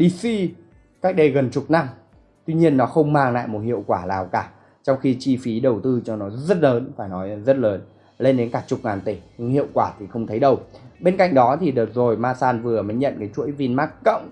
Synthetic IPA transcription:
ɗi˧si˧ | kaː˦˥k̚ɗə˧˩jɣə˨˩nt͡ɕʊ˨˩k͡p̚na˧m | t̪wi˧ɲi˧ənːɔ˨˦xə˧wŋ͡mmaː˧ŋla̰ː˧˨jmo˨˩t̚hḭ˧˨əwkwaː˧˩laː˨˩wkaː˧˩ | t͡ɕɔ˧wŋ͡mxi˧t͡ɕi˧fi˨˦ɗə˨˩wt̪ɨ˧t͡ɕɔ˧nɔ˨˦zə˦˥t̚ləː˨˦nfaː˧˩jnɔ˨˦jzə˦˥t̚ləː˨˦n | le˧nɗe˨˦nkaː˧˩t͡ɕʊ˨˩k͡p̚ŋaː˨˩nt̪i˧˩ɲ˧ŋhḭ˧˨əwkwaː˧˩t̪ʰi˨˩xə˧wŋ͡mt̪ʰə˨˦jɗə˨˩wɓe˧nka̰˧˨jŋ̟ɗɔ˨˦t̪ʰi˨˩ɗɨː˨˩t̚zo˨˩jmaː˧saː˧nvɨ˨˩əmə˨˦jɲə̰˧˨nkaː˨˦jt͡ɕu˧˥əjvi˧nmaː˦˥k̚kə̰˧˨wŋ͡m

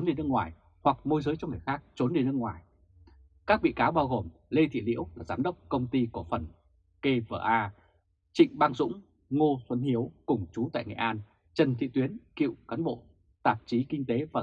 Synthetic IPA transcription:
o˨˦nɗe˧nɨ˧əŋwaː˨˩j | hwa˨˩k̚mo˧jzəː˨˦jt͡ɕɔ˧ŋ͡mŋɨː˨˩jxaː˦˥k̚t͡ɕo˨˦nɗe˧nɨ˧əŋwaː˨˩j | kaː˦˥k̚ɓḭ˧˨kaː˨˦wɓaː˧wɣo˨˩mle˧t̪ʰḭ˧˨lḭ˧˥əwlaː˨˩zaː˨˦mɗə˦˥wk͡p̚kə˧wŋ͡mt̪i˧ku˧˩əfə˨˩n | ke˧və̰ː˧˩ʔaː˧ | t͡ɕḭ˧˨ŋ̟ɓaː˧ŋzʊ̰˧˥ŋ͡m | ŋo˧swə˨˦nhi˨˦əwkʊ˨˩ŋ͡mt͡ɕu˨˦t̪a̰ː˧˨jŋḛ˧˩ʔaː˧n | t͡ɕə˨˩nt̪ʰḭ˧˨t̪wi˨˦ənkḭ˧˨wkaː˨˦nɓo̰˧˨ | t̪aː˨˩p̚t͡ɕi˨˦kï˧ŋ̟t̪e˨˦vaː˨˩

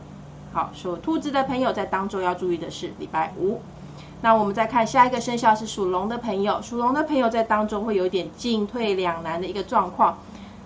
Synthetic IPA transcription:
xɑ˨˩ʊʂo˨˩t̪ʰu˥t͡s̩˧˥d̪ə˨pʰə˧˥ŋjo˨ʊt͡sa˥˩ɪt̪ɑ˥ŋʈ͡ʂo˥ʊjɑ˥˧ʊʈ͡ʂu˥˧y˥˩d̪ə˩ʂɻ̩˥˩lḭ˨˩pa˥˩ɪʔu˨˩˦ | na˥˩wɔ˨˩mə˨˦nt͡sa˥˧ɪkʰa˥˧nɕja˥˩i˨˧ɡə˩ʂə˥nɕjɑ˥˧ʊʂɻ̩˥˩ʂu˨˩lʊ˧˥ŋd̪ə˨pʰə˧˥ŋjo˨˩ʊʂu˨˩lʊ˧˦ŋd̪ə˨pʰə˧˦ŋjo˨˩ʊt͡sa˥˩ɪt̪ɑ˥ŋʈ͡ʂo˥xwe˥˩jo˨˧˦i˥˧t̪jɛ˨˩nt͡ɕi˥˧ŋt̪ʰwe˥˩ɪljɑ˨˩ŋna˧˦nd̪ə˨i˧˥ɡə˧ʈ͡ʂwɑ˥˧ŋkʰwɑ˥˩ŋ

